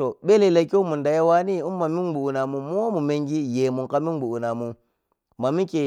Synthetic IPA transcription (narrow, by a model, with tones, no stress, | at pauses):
to˨ɓe˦le˨la˨ki˦u˦mu˨nda˨ja˦wa˦ni˦u˦m˦ma˨mi˦nɡ͡bu˨u˨na˨mu˨mu˦o˦mu˨me˦ŋɡi˦je˨mu˨ka˦mi˦ɡ͡bu˨u˨na˨mu˨ | ma˨mi˦ke˨